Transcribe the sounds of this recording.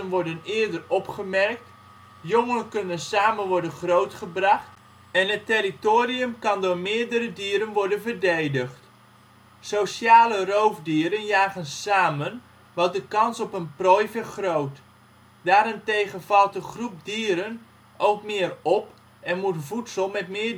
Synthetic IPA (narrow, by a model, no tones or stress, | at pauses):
ənʋɔɹdənɪəɹdərɔpχəmɛrk̚t | joŋənkɵnənsaːmənʋɔɹdənχrowtχəbrɑχt | ɛnɦətɪritoːriəmkɑndʊːɹmɪːəɹdəɾədiːɾənʋɔɹdənvəɹdejdəχt | sowsaːlərowvdiːɾənjaːχənsaːmən | ʋɑt̚dəkɑnsɔpənprɔjvəχrowt | d̥aːɾɪntejχənvɑlˠtdəχrup̚diːɾən | owkmɪːrɔp | ɛnmutvutsəlˠmɛtmɪː